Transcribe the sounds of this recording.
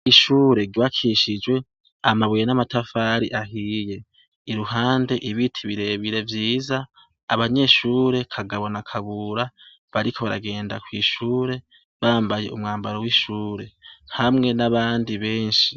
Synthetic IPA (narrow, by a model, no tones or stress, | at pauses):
iʃuːɾe̞ɡwakʰiʃid͡ʒwe̞ | amaβujenamatafaːɾiʔaɦije̞ | iɾuɦaːnde̞ʔiβitʰiβiɾe̞βiɾe̞vjiːzaː | βaɲe̞ʃuːɾe̞kʰaɡaβo̞nakʰaβuɾa | βaɾikʰo̞βaɾa̰ɡe̞ːndakwiːʃuːɾe̞ | βaːmbaje̞̰ʔumŋaːmbaɾowiʃuːɾe̞hamŋe̞naβaːndiβe̞ːnʃi